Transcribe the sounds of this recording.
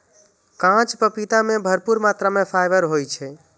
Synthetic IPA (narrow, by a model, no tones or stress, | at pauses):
kãt͡ʃpəpit̪amebʱəɾpuɾmat̪ɾamepʰajʋəɾɦojt͡ʃʰɛ